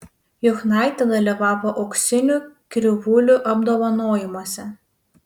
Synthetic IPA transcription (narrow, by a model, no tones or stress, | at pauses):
jʊxnɑˑɪt̪ʲɛd̪ɐlʲiʋɑːʋoːʔɐʊksʲɪnʲukʲɾʲʊʋʊlʲuˑʔɐbd̪oːʋɐnoːjɪmoːsʲɛ